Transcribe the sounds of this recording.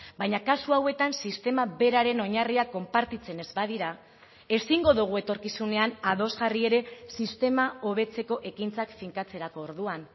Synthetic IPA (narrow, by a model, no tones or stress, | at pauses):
bajɲakasuawe̞t̪ansist̪e̞maβe̞ɾaɾe̞no̞ɲariako̞mpaɾt̪it͡se̞ne̞zbað̞iɾa | e̞siŋɡo̞ðuɣ̞ue̞t̪o̞ɾkisune̞anaðo̞zɣarie̞ɾe̞sist̪e̞mao̞β̞e̞t͡se̞ko̞ʔe̞kint͡sakfiŋkat͡se̞ɾako̞ːɾðuan